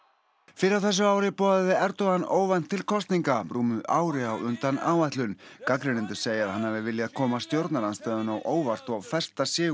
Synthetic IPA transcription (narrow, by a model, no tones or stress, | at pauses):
fɪːɾɪɾawθɛs̬ːʏaːwɾɪpɔːðaðvɪɛɾt̪ɔɣanːoːwvan̥t̪ʰːɪlkʰɔst̪niŋkapɾuːmʏʔaːwɾɪawʏnt̪anaːwajht̪lʏnkakɾɪnɪnt̪̬ʏ̥seːjɪaðhanːaːvɪvɪljaaðkʰɔːmast̪jowɾt̪naɾanst̪aːðʏnawʔoːwvar̥t̪ɔawfɛr̥st̪asjɪː